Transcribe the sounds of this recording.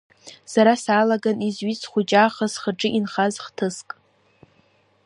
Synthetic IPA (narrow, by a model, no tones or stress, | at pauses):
saɾasaːlaɡanizɥit͡sʰχʷʊd͡ʒʼaːχasχəʈ͡ʂʼɨʔinχazχtʰɨskʼ